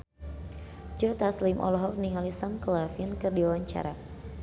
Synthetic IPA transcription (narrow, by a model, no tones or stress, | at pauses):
d͡ʒɔt̪aslimʔɔ̰lɔɦɔk̚niŋalisamklafənkɨrdiwawaɲt͡ʃa̰ɾa